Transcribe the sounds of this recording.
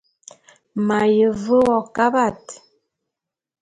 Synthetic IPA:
ma˨jə˨və˦wɔ˨ka˦ba˦˨t

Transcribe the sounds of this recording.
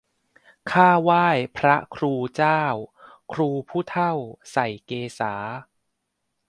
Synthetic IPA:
kʰaː˥˩waː˥˩jpʰɾa˦˥kʰɾuː˧t͡ɕaː˥˩w | kʰɾuː˧pʰuː˥˩t̪ʰa˥˩wsa˨˩jkeː˧saː˩˦

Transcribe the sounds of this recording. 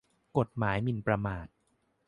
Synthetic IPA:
ko˨˩t̪̚maː˩˦jmi˧˩npɾa˧maː˨˩t̪̚

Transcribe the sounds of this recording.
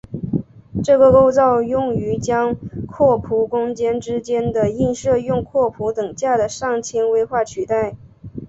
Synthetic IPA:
ʈ͡ʂɤ˥˩kə˥˧ko˥ʊt͡sɑ˥˧ʊjʊ˥˩ŋy˧˥t͡ɕjɑ˥ŋkʰwɔ˥˩pʰu˧˥kʊ˥ŋt͡ɕjɛ˥nʈ͡ʂɻ̩˥t͡ɕjɛ˥nd̪ə˨i˥˧nʂɤ˥˧jʊ˥˧ŋkʰwɔ˥˩pʰu˧˥t̪ɤ˨˩ŋt͡ɕja˥˩d̪ə˩ʂɑ˥˩ŋt͡ɕʰjɛ˥nwe˥ɪxwa˥˩t͡ɕʰy˨˩t̪a˥˩ɪ

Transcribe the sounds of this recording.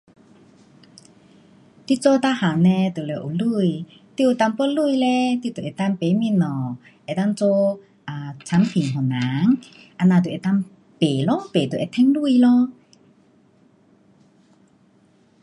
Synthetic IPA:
t̪i˧˨t͡so˦t̪a˧˥ha˨˩nɛ̃˧t̪ə˨le˨˩˨ʔo˨˩lu˥˧˨j | t̪i˧˨ʔo˨˧˨t̪a˧ŋpə˦˥˨lu˥˧˨jlɛ˧t̪i˧˨t̪o˨ʔɛ˨t̪a˧ŋpe˨˦mĩ˧˨nɔ˨˩ | ʔɛ˧˨t̪a˥˨ŋt͡so˦ | ʔa˨˩t͡sʰa˧˦mpʰi˨ŋɦɔ˨˩na˨˦ŋ | ʔa˧nãː˧˩t̪u˨ɛ˨˧˨t̪a˧ŋ | pe˨˩lɔ˧˥˨pe˨t̪u˨ʔɛ˧˨t̪ʰɛ˧˥ŋlu˥˧˨jlɔ˧

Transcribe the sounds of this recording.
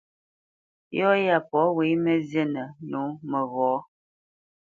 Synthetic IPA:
jɔ˦ja˦˨pɔ˨˦we˨˦mə˦zə˦˨nə˨nu˨˦mə˨ɣɔ˨˦

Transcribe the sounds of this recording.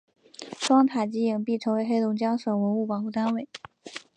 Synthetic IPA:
ʂwɑ˥ŋt̪ʰa˨˩t͡ɕi˧˥i˨˩ŋpi˥˩ʈ͡ʂʰɤ˧˥ŋwe˧˥ɪxe˥ɪt̪ʊ˧˥ŋt͡ɕjɑ˥ŋʂə˨˩nwə˧˥nu˥˩pɑ˨˩ŋxu˥˩t̪a˥nwe˥˩ɪ

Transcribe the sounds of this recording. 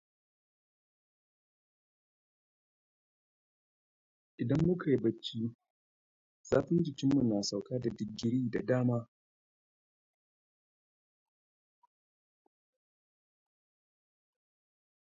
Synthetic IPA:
ʔɪ˨dɐ˦mːʊ˦kʰa˨ji˦bɐ˦t͡ʃːiː˦ | z̥aː˦ɸʊ˦nd͡ʒɪ˨kʲɪ˦mːu˨naː˨sa˨wkaː˦da˨dɪ˨ɡːɪ˦ɾiː˦da̰˨daː˦maː˦

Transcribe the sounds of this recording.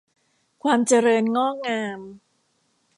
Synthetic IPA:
kʰwaː˧mt͡ɕa˧ɾɤː˧nŋɔː˥˩ŋaː˧m

